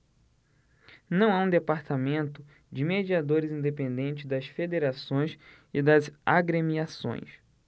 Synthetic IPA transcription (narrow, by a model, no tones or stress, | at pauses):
nɐ̃w̃aũd̪epaɾt̪amẽnt̪ʊ | d͡ʒɪmed͡ʒiad̪oɾɪzĩnd̪epẽnd̪ẽnt͡ʃɪzd̪ɐsfed̪eɾasõj̃s | ɪd̪ɐzaɡɾemiasõ̰j̃s